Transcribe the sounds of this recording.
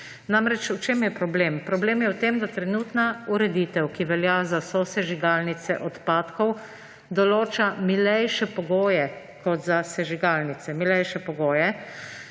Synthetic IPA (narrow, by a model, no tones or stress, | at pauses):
namɾɛt͡ʃut͡ʃemjɛpɾɔbleːmpɾɔbleːmjɛwt̪emd̪at̪ɾɛnuːt̪nauɾɛd̪iːt̪ɛwkiʋɛljazasɔsɛʒiɡaːlnit̪sɛʔɔt̪paːt̪kɔw | d̪ɔloːt͡ʃamilɛjʃɛpɔɡoːjɛ | kɔt̪zasɛʒiɡaːlnit̪sɛmilɛjʃɛpɔɡoːjɛ